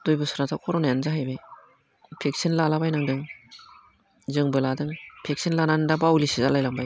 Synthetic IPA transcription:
d̥ojbɯsɯɾatʰakʰɔɾɔnajanzaɦajbe | pʰek̚sinlalabajnɯŋdɯŋ | zɯŋbɯladɯŋpʰek̚sinlananɯŋdabawlisizalajlambaj

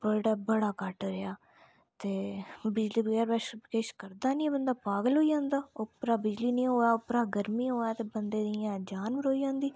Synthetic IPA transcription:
pəlʈaːbəɽaːkəʈɾɪaː | t̪eːbɪd͡ʒliːbaːɾbɛʃkeːʃkəɾd̪aːnĩːɛbənd̪aːpaːɡəlɦoːiːd͡ʒãːnd̪aːopɾaːbɪd͡ʒliːnĩːɦoːjaːopɾaːɡəɾmiːoːjaːt̪eːbənd̪eːd̪ɪjãːd͡ʒaːnbəɾoːiːd͡ʒãːnd̪iː

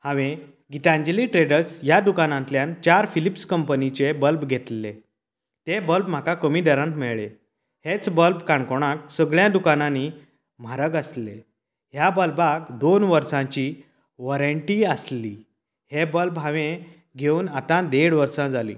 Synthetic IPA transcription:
hãʋẽ | ɡit̪ãnd͡ʑeliʈɾeɖəɾsjad̪ukanãnt̪ljãnt͡ɕaɾfilipskəmpənit͡ɕebəlbɡʱet̪le | t̪ebəlbm̤akakəmidəɾãnt̪mɛɭɭe | het͡sbəlbkaɳkoɽ̃ãk̚səɡɭjãd̪ukanãni | m̤aɾəɡəslḛ | ɦjabəlbakd̪onʋəɾsãt͡ɕi | ʋɔɾəɳʈiəsli | hebəlbɦãʋẽ | ɡʱeuːnat̪ãd̪eɽʋəɾsãd͡zalḭ̃

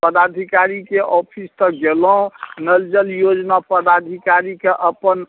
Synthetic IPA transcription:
pəd̪ad̪ʱikaɾikeʔɔpʰist̪əɡelɔ̃nəld͡ʒəljod͡ʒnapəd̪ad̪ʱikaɾikeʔəpən

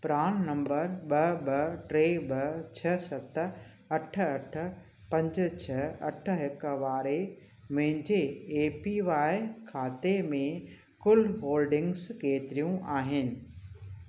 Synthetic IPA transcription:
pɾaːñnɐ̃mbəɾɓɐɓɐʈɾeːɓɐt͡ɕʰɐsɐt̪̆ | ɐʈ̆ʰɐʈʰə̆ | pɐ̃ɲd͡ʑ̆t͡ɕʰɐɐʈʰə̆ɦɪkʋaːɾe | mʊ̃ɦɪ̃ɲd͡ʑeːpiʋaːɪkʰaːt̪emẽ | kʊlɦoːlɖɪ̃ŋɡskeːt̪ɪɾijũʔaːɦɪnɪ̆

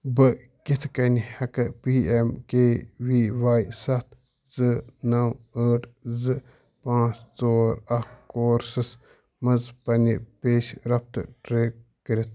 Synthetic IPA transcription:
bɨ | kit̪ʰkɐnihɐkɐpiːemkeːʋiːʋaːjsɐt̪ʰ | zɨnɐwɐːʈʰzɨ | pãːt͡ʃt͡soːɾɐkoːɾsɨs | mɐzpɐnipeːʃɾɐp̚t̪ɨ̰ʈɾeːɡ̚ | kɐɾit̪̚ʰ

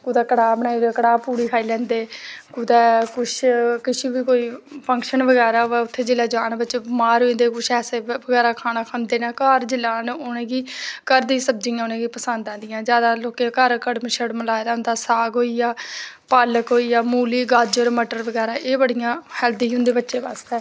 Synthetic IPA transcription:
kuːd̪ɛːkəɽaːbənaːiekəɽaːpuːɽiːkʰaːiːlɛ̃ːnd̪eːkuːd̪ɛːkʊʃkɪʃiːbiːkoːiːpʰə̃ŋkʃənʋəɡɛːɾaːɛʊt̪ʰːeːd͡ʒɪlɛːd͡ʒaːnbətːt͡ʃeːmaːɾɦoĩnd̪eːkʊʃʰɛːseːəɡɛːɾaːkʰaːnaːkʰənd̪eːnaːkaːɾd͡ʒɪlaːnʊnẽːɡiːkəɾd̪ĩːsəb̚d͡ʒiːjãːʊnẽːɡiːpəsə̃nd̪ãːnd̪ɪjãːd͡ʒjaːd̪aːloːkekəɾkəɽməʃəɽməlaːed̪aːʊnd̪aːsaːɡɦoːijaː | paːləkɦoːiːjaːmuːliːɡad͡ʒoːɾməʈəɾʋəɡɛːɾãːʔeːbəɽijãːhɛːld̪iːɦʊ̃nd̪eːbətːʃeːbaːst̪ɛː

